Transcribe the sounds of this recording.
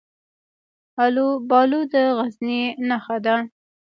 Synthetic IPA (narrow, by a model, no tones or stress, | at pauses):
alobɑlud̪əɣazninaxad̪a